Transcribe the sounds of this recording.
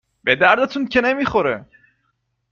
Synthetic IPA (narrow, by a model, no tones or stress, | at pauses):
bed̪æɾd̪et̪ʰuncʰenemiːχoɾḛ